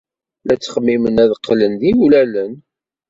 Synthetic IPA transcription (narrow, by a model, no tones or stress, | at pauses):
læt͡sːəχəmːimənæðəqːlənðiulælən